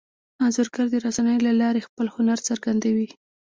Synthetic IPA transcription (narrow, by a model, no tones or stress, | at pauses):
ɑnzʊɾɡaɾd̪əɾasanəjolalɑɾexpəlhʊnaɾt͡saɾɡand̪awi